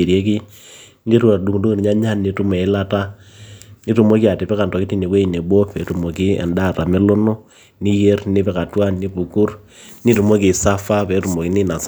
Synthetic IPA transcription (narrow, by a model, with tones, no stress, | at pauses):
i˨ɾje˦k̬i˦ | ni˦ɾu˦a˨du˨ŋdo˦ɾɲa˦ɲa˦nːi˨tu˦me˨ɪ˦la˦ta˦ | ni˦tu˨mo˦ki˦a˨te˨pɛ˦ka˨ntɔ˨ki˦ti˦ne˨kwe˦i˨ne˨bo˦pḛ˨tu˨mo˨ki˦ɛ̰˨nda˦˨ta˨me˦lo˦no˦ | ni˦je˦rnɪ˦pɛ˨ka˨twa˦nni˦pu˨ku˦r | ni˦tu˨mo˦ki˨sa˦fa˦pe˨˦tu˨mo˨ki˦ni˦na˨s